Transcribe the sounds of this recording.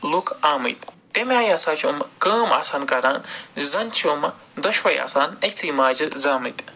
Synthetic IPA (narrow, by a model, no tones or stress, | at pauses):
lukʰaːmɨ̰t̪ | t̪emʲaːjaːsaːt͡ʃʰomkɐːma̰ːsaːnkɐɾaːnzɐnt͡ʃʰimɐ | d̪ɐʃʋɐːja̰ːsaːnɐkʲt͡sʰiːmaːd͡ʒɨzaːmɨt̪